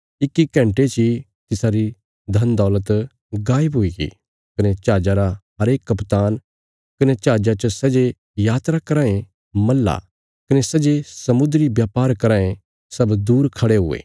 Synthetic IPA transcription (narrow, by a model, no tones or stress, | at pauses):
ɪkːikɛ̃ːɳʈet͡ʃi | t̪ɪsaɾi | d̪ʱɐnd̪ɔːlət̪ | ɡaːjəbɦʊiɡḭ | kɐnɛt͡ʃaːd͡ʒaɾaɦɐɾeːkːɐpt̪aːn | kɐnɛt͡ʃaːd͡ʒat͡ʃɐsɐd͡ʒe | jaːt̪ɾakɐɾãːẽ | mɐlːa̰ | kɐnesɐd͡ʒesɐmʊd̪ɾibjaːpaːɾkɐɾãːẽ | sɐbd̪uːɾkʰɐɽeɦʊ̰ḛː